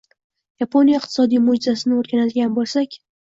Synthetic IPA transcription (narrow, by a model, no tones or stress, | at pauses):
japʰonijaɪq̚t̪ʰɪ̥sɒd̪ijmod͡ʒɪzasɪnɪoɾɡʲanad̪ɪɡʲanbolˠsakʲ